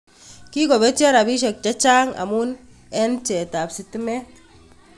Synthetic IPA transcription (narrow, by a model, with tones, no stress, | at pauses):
ki˦ko˨be˦t͡ʃi˦a˦ɾa˨bi˦ʃ̬e˨k̚t͡ʃa˦t͡ʃa˦ŋa̰˨mu˦n | e˦nt͡ʃe˨ta˨psi˨ti˦me˦